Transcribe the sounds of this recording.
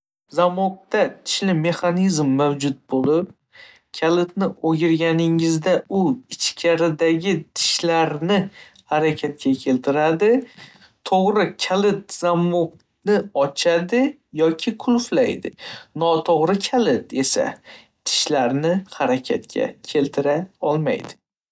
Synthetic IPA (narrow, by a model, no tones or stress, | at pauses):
zamʊq̚t̪at̪ʰɪ̥ʃlɪme̞χanizmːawd͡ʒʊt̪̚bolɪp̚ | kʲʰalɪt̪nɪoɡʲɪɾɡʲanɪŋɪzd̪aʊɪt͡ʃkʲʰaɾɪd̪aɡʲɪt̪ʰɪ̥ʃlaɾnɪ | haɾakʲʰat̪̚kʲakʲʰe̞lt̪ʰɪɾad̪ɪ | t̪ʰoʁɾɪkʲʰalɪt̪̚z̥amʊq | nɪɒt͡ʃʰad̪ɪ | jɒkʲʰɪkʰʊlflajd̪ɪ̰nɒt̪ʰoʁɾɪkʲʰalɪt̪e̞sa̰ | t̪ʰɪ̥ʃlaɾnɪhaɾakʲʰat̪̚kʲʰa̰kʲʰe̞lt̪ʰɪɾaɒlˠma̰jd̪ɪ